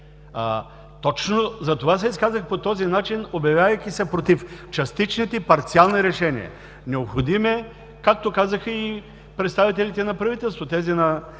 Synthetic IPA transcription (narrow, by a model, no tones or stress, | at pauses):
t̪ɔt͡ʃnozɐt̪ovas̬ɛiskazəxpot̪ɔzinat͡ʃinobjɐvʲjavɐjkʲisɛpɾot̪ift͡ʃɐst̪it͡ʃnit̪ɛipɐɾt̪sialˠniɾɛʃɛnḭə̰ | nɛopxod̪imɛ | kak̚t̪okazɐxəi | pɾɛt̪st̪avit̪ɛlʲit̪ɛnɐpɾɐvit̪ɛlˠst̪vot̪ɛzinɐ